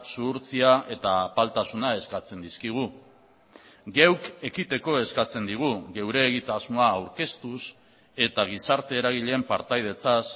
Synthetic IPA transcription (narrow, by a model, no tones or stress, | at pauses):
suːɾt͡siaʔe̞t̪apalt̪asunae̞skat͡se̞nd̪iskiɣ̞u | ɡewke̞kit̪e̞ko̞e̞skat͡se̞nd̪iɣ̞uɣe̞wɾe̞ːɣit̪azmoaːwɾke̞st̪us | e̞t̪aɣ̞isaɾt̪e̞ːɾaɣ̞iʎempaɾt̪ajð̞e̞t͡sas